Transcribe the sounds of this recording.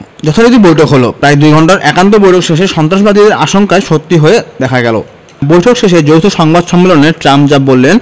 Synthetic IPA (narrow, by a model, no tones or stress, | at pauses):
d͡ʑɔt̪ʰaɾot̪ibojʈʰokɦolo̰pɾajd̪ujɡʱɔɳʈaɾʔɛkant̪̬obojʈʰokʃeʃeʃɔnt̪ɾaʃbad̪ʱid̪eɾa̰ʃoŋkaeʃot̪ːiɦoed̪ɛkʰaɡɛlo̰ | bojʈʰokʃeʃed͡ʑowt̪ʰoʃɔŋbad̪ʃɔmːeloneɾʈɾamd͡ʑabolːen